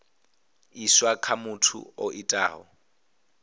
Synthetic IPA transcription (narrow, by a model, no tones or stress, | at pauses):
iswakʰamʊtʰʊ̰ɔʔitʼaːɦɔ̰